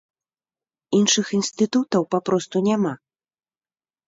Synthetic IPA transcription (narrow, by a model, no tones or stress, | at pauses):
inʂɨxinst̪ɨt̪ut̪ɐwpapɾɔst̪unʲama